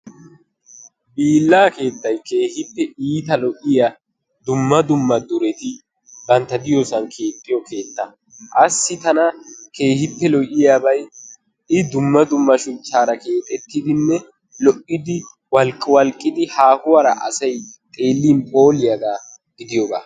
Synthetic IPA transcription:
biːlːaːke̞ːt̪ːɐjke̞ːhɪpːɛiːt̪ɐlɔʔɪjɐ | d̪ʊmːɐd̪ʊmːɐd̪ʊɾɛt̪ɪ | bɐnt̪ːɐd̪ɪjosɐnkʰe̞ːt̪ʼːɪjɔkʰe̞ːt̪ːɐ | ʔɐsːɪt̪ɐnɐke̞ːhɪpːɛlɔʔɪjaːbɐj | ɪd̪ʊmːɐd̪ʊmːɐʃʊt͡ʃːaːɾɐke̞ːt̪ʼɛt̪ːɪd̪ɪnːɛ | lɔʔːɪd̪ɪ | wɐlkʼːɪwɐlkʼːɪd̪ɪhaːhʊwaɾɐʔɐ̰sɐjt̪ʼe̞ːlːiːnpʼo̞ːlɪjɐɡaː | ɡ̥ɪd̪ɪjɔɡaː

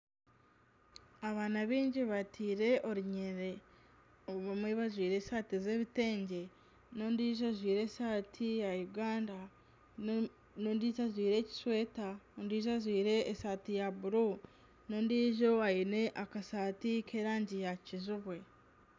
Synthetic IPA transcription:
aβaːnaβiːɲɟiβatʰiːɾe̞ʔo̞ɾiɲeɾe̞ | oβamweβazwiːɾe̞saːtize̞ːβite̞ːɲɟe̞ | nondiːʒozwiːɾe̞saːtʰijajuɡaːnda | nondiːtazwiːɾe̞ːci̥swe̞ːtaondiːʒazwiːɾe̞ːsaːtijabuɾu | no̞ndiːʒo̞ajine̞ʔakasaːtikʰeɾaːɲɟijacizuβwe̞

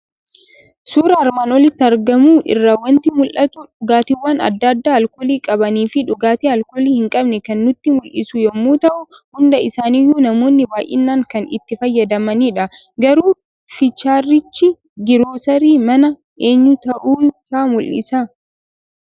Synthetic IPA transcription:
suːɾɐɐɾmaːnɔlɪt̪ːɐɾɡɐmuːʔɪ̰rːaːwɐnt̪ɪmʊlʔɐt̪ʊᶑʊɡaːt̪ɪwaːnɐ̰d̪ːad̪ːaːɐlkoːliːkʼɐbɐniːfɪᶑʊɡaːt̪iːɐlkoːliːhɪŋkʼɐbnɛkɐnːʊt̪ːɪmʊlʔɪsʊjɔmːuːt̪ɐʔʊ | hʊnd̪ɐɪsaːnijuːnɐmoːnːɪbaːjʔɪ̰nːaːŋkɐnɪ̰t̪ːɪfɐjːɐd̪ɐmɐniːᶑɐ | ɡɐɾuː | fɪt͡ʃːaːrːɪt͡ʃːɪ | ɡɪɾoːsɐɾiːmɐnɐ | ʔe̞ːɲːʊt̪ɐʔuːsaːmʊlʔɪ̰saː

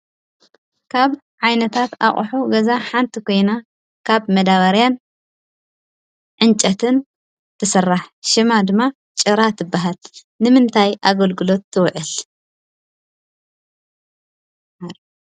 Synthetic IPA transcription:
kʰaβ | ʕajnɐt̪ʰat̪a̰χʼħuɡɐzaħant̪ʰikʰo̞jna | kʰaβmɐd̪aβɐɾjan | ʕɨnt͡ʃʼɐt̪ʰɨn | t̪ʰɨsɐrːaħʃɨmad̪ɨmːa | t͡ʃʼɨɾat̪ʰɨbːaɦɐl | nɨmɨnt̪ʰajʔaɡɐlɡɨlo̞t̪ːɨwʕɨl

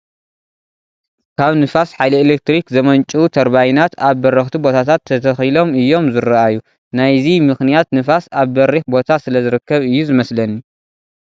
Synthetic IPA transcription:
kʰaβnɨfasħajlɐelek̚t̪ɾikzɐmɐnt͡ʃʼut̪ʰɐɾbajnat̪aβːɐɾɐxt̪ʰibo̞t̪ʰat̪ʰat̪ʰːɐt̪ʰɐxilo̞mɨjːo̞mzɨrɐajːu | najzimɨxnijat̪nɨfasaβbɐɾiħbo̞t̪ʰasɨlɐzɨɾɨkːɐβɨjːuzɨmɐslɐnːi

